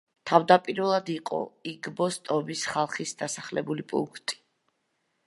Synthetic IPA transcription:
t̪ʰavd̪apʼiɾvɛlˠad̪iqʼɔ̰iɡbɔst̪ʼɔbisχalˠχisd̪asaχlɛbulipʼṵŋkʰt̪ʼi̥

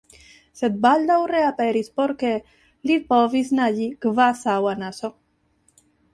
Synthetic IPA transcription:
sed̪̚bald̪awreapeɾispoɾke | lipovisnaʎikvasawanaso

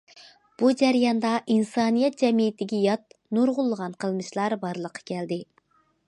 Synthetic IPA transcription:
b̥ud͡ʒæɾjɑnd̪ɑʔinsɑnijɛt̪̚d͡ʒɛmijɪt̪ɪɡʲɛjɑt̪̚nuɾʁʊlˠːəʁɑnqʰəlˠmɨʃlˠɑɾbɑɾlˠəqʰːɑ̥kʲʰɛld̪ɪ

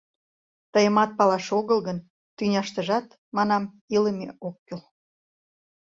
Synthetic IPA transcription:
t̪əjə̆mɑt̪̚pɑlɑʃoɣəlɣən | t̪ynʲɑʃt̪əʒɑt̪ | mɑnɑm | iləmḛʔokːyl

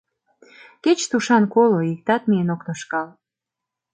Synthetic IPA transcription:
ket͡ɕt̪uʃɑnkoloik̚t̪ɑt̪̚mienoknoʃkɑl

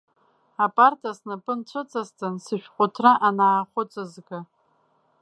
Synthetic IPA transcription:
apʼartʰasnɨpʼɨnt͡ɕʷʰʊt͡sʼastʰʼansɨʃᶣqʷʼʊtʰraʔanaːχʷʊt͡sʼazɡa

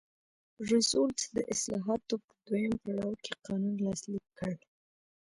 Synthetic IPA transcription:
ʐisolsd̪ə̰ʔɪslɑɦɑt̪opəd̪wojampaɽawkʰeqɑnunlɑslikʰːəɽ

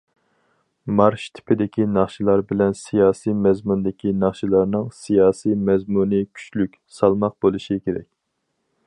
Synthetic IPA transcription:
mɑɾʃt̪ʰɪ̥pʰɪd̪ɪkʲinɑχʃilˠɑɾbɪlɛnsijɑːsijmɛzmund̪ɪkʲinɑχʃilˠɑɾnɨŋsijɑːsimɛzmunɨkʲʰy̥t͡ʃlykʲsɑlˠmɑq̚bolˠuʃikʲeɾɛ̰kʲ

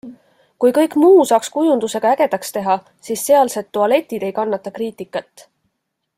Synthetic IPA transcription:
kujkɤ̞jkˑmuːsɑːkskujund̪use̞ɡ̥ɑæɡ̥e̞d̪̥ɑkst̪e̞ɦɑ | siːsːe̞ɑlse̞t̪ːuɑle̞t̪ːˑid̪̥e̞jkɑnːɑt̪ːˑɑkriːt̪ˑikːˑɑt̪ˑː

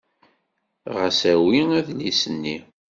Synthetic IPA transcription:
ʁəsæwiæðlisənːi

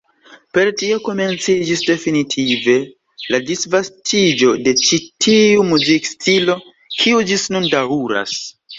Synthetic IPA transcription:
pe̞ɾtio̞ko̞me̞nt͡sid͡ʒisde̞finitʰive̞ | ladisvastʰid͡ʒo̞de̞t͡ʃitʰiumuzikstʰilo̞ | kʰiud͡ʒisnundauɾa̰s

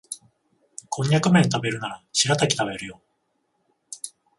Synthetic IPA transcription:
kʰõ̞ɲːakɯ̟mẽ̞nt̪abe̞ɾɯ̟naɾaɕiɾat̪akʲi̥t̪aβe̞ɾɯ̟jo

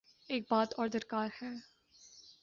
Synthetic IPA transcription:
ɛk̚bɑːtʰɔrdərkɑrxə

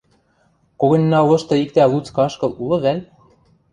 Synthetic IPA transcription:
koɣɤ̆nʲːɑlɤ̆ʃt̪ɤ̆ik̚t̪ælut͡skɑʃkɤ̆lˠulˠɤ̆βælʲ

